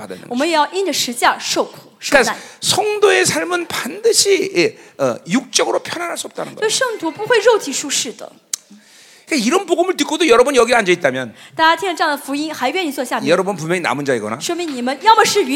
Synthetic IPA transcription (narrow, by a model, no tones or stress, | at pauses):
pada̰n̰wɔməjɛjaʊʔind͡ʒəʂɻ̩t͡ɕjaʂoʊkʰu̥ʂkaasʰʌŋdoesʰaɭmɯnpandɯɕʰijeʌjuk̚t͡ɕ͈ʌɡɯɾopʰjʌnanɦaɭs͈uʌp̚t͈anɯ̰nnɡʌsoʂɤŋt̪ʰupuxweɪɻoʊt͡ɕiʂuʂɻ̩d̪ə̰ | kaiɾʌnpoɡomɯɭt̬ɯk͈odojʌɾʌbʌnjʌɡiand͡ʑʌit͈̚amjʌnt̪at͡ɕjat̪ʰiŋəʈ͡ʂejaŋd̪əfuinxaɪpjɛnit͡swɔɕjamjjʌɾʌbʌnp̬unmjʌŋina̰mund͡ʑaiɡʌ̰na̰ʂwominnimənjɑʊmaʂɻ̩